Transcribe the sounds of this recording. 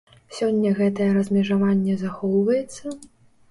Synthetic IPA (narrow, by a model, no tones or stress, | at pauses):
sʲɔnʲːɐɣɛt̪ɐjɛɾɐzʲmʲɛʐavanʲːɛzaxɔwvɐjɛt̪sːɐ